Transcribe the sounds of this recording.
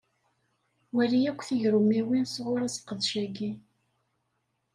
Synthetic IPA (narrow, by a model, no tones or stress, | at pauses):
wælijækʷːθiʝɾumæwinsʁʊɾæsə̥qːəðʃæɡi